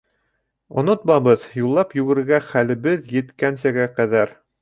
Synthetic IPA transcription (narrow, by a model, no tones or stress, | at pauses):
ŏnot̪mɑβɤðjulˠːɑpjʉ̆ɡɘ̆ɾɘ̆ɾɡæχælɘ̆bɘðjɘ̆t̪kænsæɡæqæðæɾ